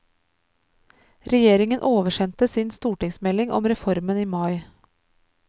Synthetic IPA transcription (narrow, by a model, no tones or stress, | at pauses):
ɾɛjeːɾɪŋənʔoːʋəʃɛnt̪əsinst̪uːʈɪŋsmɛlɪŋʔɔ̰mɾɛfɔɾməniːmɑɪ